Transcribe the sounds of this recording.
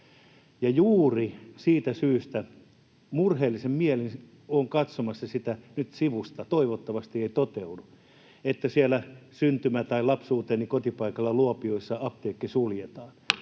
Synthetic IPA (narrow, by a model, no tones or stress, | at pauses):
jɑjuːrisiːt̪æsyːst̪æ | murheːlːˑisemmielin | oŋkɑt̪somɑsːɑsit̪ænyt̪siʋust̪ɑt̪oiʋot̪ːɑʋɑst̪ieit̪ot̪eudu | et̪ːæsiælæsynt̪ymæt̪ɑilɑpsuːt̪eːnikot̪ipɑikɑlːɑluopioisːɑɑpt̪eːkːisuljet̪ɑːn